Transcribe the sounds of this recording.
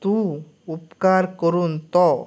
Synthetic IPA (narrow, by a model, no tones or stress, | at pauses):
t̪ũ | upkaɾkəɾunt̪ɔ